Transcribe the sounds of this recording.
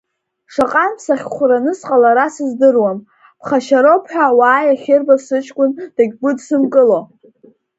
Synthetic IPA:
ʂaqʼanpʰsaχʲχʷʊranɨsqʼalaɾasɨzdɨrwam | pʰχaʃaɾopʰħʷᶣawaːjaχʲɪrbasɨt͡ʃʰʼkʷʼʊnd̥aɡʲɡʷʊdsɨmkʼɨlo

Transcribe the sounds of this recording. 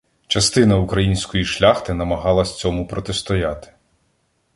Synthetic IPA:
t͡ʃɐst̪ɪnɐukɾɐjinʲsʲkɔjiʃlʲaxt̪ɪnɐmɐɦɑlˠɐsʲt͡sʲɔmʊpɾɔt̪est̪ɔjat̪ɪ̥

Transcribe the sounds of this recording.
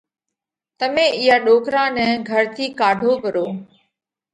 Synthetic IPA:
t̪əmẽːɪjaːɗoːkɾãːnɛ̃ːɡʱəɾt̪ʰiːkaːɖʱoːbəɾoː

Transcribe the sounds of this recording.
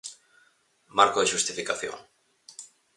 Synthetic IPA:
maɾkoðeʃust̪ifikaθjo̰ŋ

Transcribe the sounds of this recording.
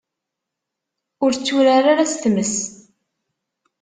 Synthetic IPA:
ʊɾt͡sːuɾaɾaɾast̪məs

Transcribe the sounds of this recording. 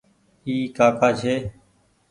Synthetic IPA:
iːkaːkaːt͡ʃʰeː

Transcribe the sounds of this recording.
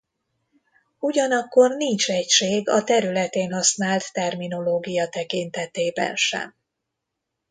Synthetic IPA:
uɟɒnɒkːo̞rnint͡ʃɛcʃeːɡɒ̰t̪ɛɾylɛt̪eːnɦɒsnaːlt̪ːɛrmin̪o̞loːɡijɒt̪ɛkint̪ɛt̪eːbɛ̰nʃɛ̰m

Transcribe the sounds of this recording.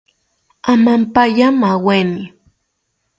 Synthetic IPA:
amampajamaweni

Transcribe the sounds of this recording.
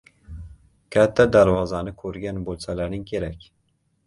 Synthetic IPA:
kʲʰat̪ʰːad̪aɾvɒzanɪkʰɵɾɡʲanbolˠsalaɾɪŋkʲʰe̞ɾakʲ

